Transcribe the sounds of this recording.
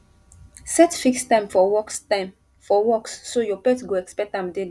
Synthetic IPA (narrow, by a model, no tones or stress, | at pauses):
sɛtfikstãɪ̃mfɔwɔksam | fɔwɔksːojɔpɛtɡoɛkspɛk̚tãmdel